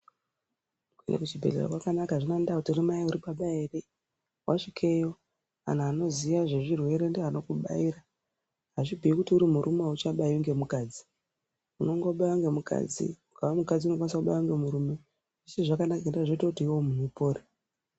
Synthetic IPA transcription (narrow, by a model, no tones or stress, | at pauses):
kḛndḛkut͡ʃibʱe̞ɮḛro̰kwakanakaʐinandautiurimaiuɾipaɓaere | wʔaʂikʰe̞jo̞ | a̰n̤aano̞ziʋaʐe̞ʐirwe̞ɾe̞ndeano̞kuɓa̰iːra | ɦaʐibʱiikutiuɾimuɾʔumeaut͡ʃaɓaiuŋɡe̞mukaːd͡zi | uno̞ŋɡo̞ɓawaŋɡe̞mukʰa̰d͡zḭmukaʋamukad͡ziuno̞kwanisakuɓajwaŋɡe̞muɾume̞ | ʐiseʐakanakaendaʐoitokutiiwo̞munupo̞ːɾi